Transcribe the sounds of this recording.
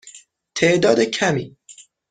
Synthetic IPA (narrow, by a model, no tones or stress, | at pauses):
t̪ʰeʔd̪ɒːd̪ecʰæmiː